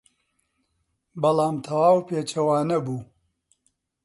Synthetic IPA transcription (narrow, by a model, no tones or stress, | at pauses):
bɐlˠaːmt̪ʰɐwaːwpeːt͡ʃɐwaːnɐbuː